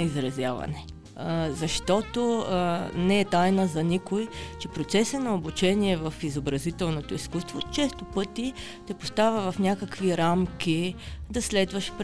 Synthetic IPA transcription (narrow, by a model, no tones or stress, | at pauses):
izɾɐzjavɐ̰nɛ | zɐʃt̪ɔt̪o | nɛɛt̪ajnəzɐnikojt͡ʃɛpɾot̪sɛsənɐobut͡ʃɛniɛvɐfizobɾɐzit̪ɛlˠnot̪oiskust̪vot͡ʃɛst̪opɤt̪i | t̪ɛpo̥st̪avʲɐvɐfnʲakəkviɾamkʲid̪ɐslɛd̪vəʃp